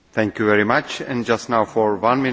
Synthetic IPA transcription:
θʰɛ̃ŋkjuvɛɹimat͡ʃɛ̃nd͡ʒastnaʊfɔɹwãnmɪ̃

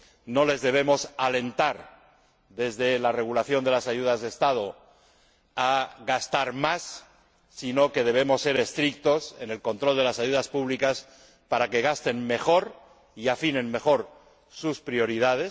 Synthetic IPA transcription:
no̞le̞zðe̞β̞e̞mo̞sale̞nt̪aɾ | ðe̞zðe̞lare̞ɣ̞ulaθjo̞nd̪e̞lasaʝuðazðest̪að̞o | aɣast̪aɾmasː | ino̞ke̞ð̞e̞β̞e̞mo̞sːe̞ɾe̞st̪ɾik̚t̪o̞se̞̰ne̞lko̞nt̪ɾo̞ld̪e̞lasaʝuðaspuβlikas | paɾake̞ɣ̞ast̪e̞nme̞xo̞ɾ | iafine̞nme̞xo̞ɾ | suspɾio̞ɾiðað̞e̞s

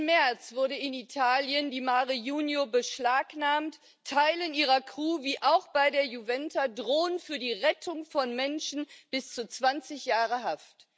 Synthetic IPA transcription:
mɛɐt͡sv̥ʊɐɾəɪnitʰaːljəndiːmaːʁəjuːnjobəʃlaːknaːmtʰː | aɪləniːʁɐkʁ̥uːviːʔaʊxb̥aɪdeːɐjuvɛntʰadʁoːənfyːɐdiːʁɛtʰʊŋfɔnmɛnʃn̩b̥ɪst͡sut͡sv̥ant͡sɪçjaːʁəɦaft

